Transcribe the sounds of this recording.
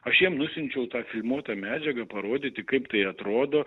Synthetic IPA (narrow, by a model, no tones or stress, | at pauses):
ɐʃjiɛmnʊsʲɪnʲt͡ʃʲɛʊt̪ɑːfʲɪlʲmuɔt̪ɑmʲæːd͡ʒʲɛɡɐpɐɾoːd̪ʲɪːt̪ʲɪkɐɪpt̪ɐɪɐt̪ɾoːd̪oː